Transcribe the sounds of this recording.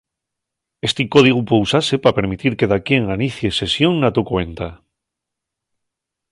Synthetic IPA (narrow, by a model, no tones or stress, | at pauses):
est̪ikoð̞iɣ̞upousase̞pape̞ɾmit̪iɾke̞ðakje̞ŋaniθje̞se̞sjo̞ŋnat̪okwe̞nt̪a